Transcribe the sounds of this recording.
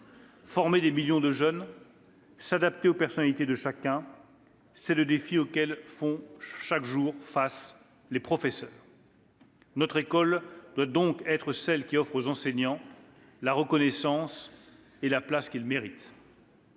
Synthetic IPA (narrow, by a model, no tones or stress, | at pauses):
fɔʁmed̪emiljɔ̃d̪əʒœn | sad̪ap̚t̪eopɛʁsɔnalit̪ed̪əʃakɛ̃ | sɛləd̪efiokʲɛlfɔ̃ʃakʒuʁfas | lepχɔfɛsœːʁ | nɔt̪χekɔld̪̥wad̪ɔ̃kɛt̪χəsɛlkʲiɔfχozɑ̃sɛɲɑ̃ | laʁəkɔnɛsɑ̃s | elaplaskʲilmeʁit̪